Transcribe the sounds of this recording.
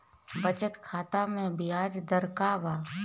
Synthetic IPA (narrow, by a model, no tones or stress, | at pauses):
bət͡ʃət̪kʰaːt̪amẽbɪjaːd͡ʒd̪əɾkaːʋaː